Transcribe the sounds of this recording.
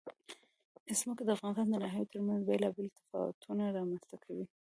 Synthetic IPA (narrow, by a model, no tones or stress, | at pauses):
ɪsmʊkd̪əafɣɑnɪst̪ɑnd̪ənaɦajot̪ʰəɾmanzbelɑbɪlt̪ɪ̥fɑ̰wa̰t̪ʰunaɾɑmanst̪akʰawi